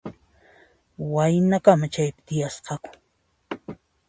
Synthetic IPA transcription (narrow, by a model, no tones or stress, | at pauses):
wajnakamat͡ʃajpɪ̥t̪ɪjasqɑkʊ̥